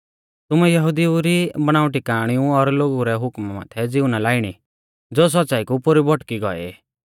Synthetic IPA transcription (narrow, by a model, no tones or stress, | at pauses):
t̪ʊmɛjɐɦud̪iuɾibɐɽ̃aːʊ̃ʈikaːɽ̃iũɔɾloːɡuɾɛɦʊkmma̰ːt̪ʰɛd͡zɪʊnalaːɪɽ̃i | d͡zoːs̬ɔtːsaːikupʊɾibʱɔʈkiɡɔ̰ḛ